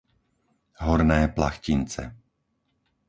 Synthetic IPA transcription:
ɦɔɾnɛːpla̰xcint͡sɛ̰

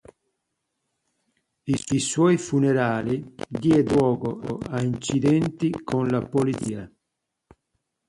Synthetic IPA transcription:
isiswɔjfunɛɾaːlid̪iɛdwɔːɡoaint͡ʃid̪ɛnt̪ikʰonlapolit̪siːa

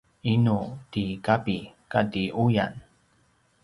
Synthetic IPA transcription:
inutikapikadiʔuja̰n

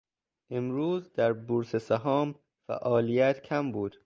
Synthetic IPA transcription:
ʔemɾuːzd̪æɾbuɾsesæɦɒːm | fæ̰ʔɒːlijæt̪ʰcʰæmbuːd̪̥

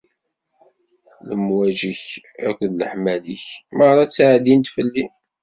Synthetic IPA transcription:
ləmwæʒiç | ækʷnləħmæliçməʁɾˤɑt͡sːʕd̪int̪fəlːi

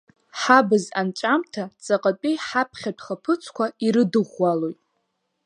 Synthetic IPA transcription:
ħabɨzant͡ʃʷʼamtʰat͡sʼaqʼat͡pʼijħapʰχʲadχapʰɨt͡sʷʰkʷʰaiɾɨdɨʁʷːalo̞jtʼ

